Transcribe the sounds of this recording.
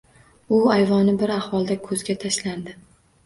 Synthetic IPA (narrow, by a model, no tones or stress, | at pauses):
ʊajvɒnɪbɪɾahvɒlˠd̪akʰɵzɡʲat̪ʰaʃland̪ɪ